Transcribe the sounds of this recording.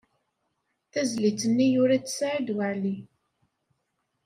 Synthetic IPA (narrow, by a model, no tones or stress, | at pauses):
θæzlit͡sənːijʊɾat͡ssʕid̪wəʕli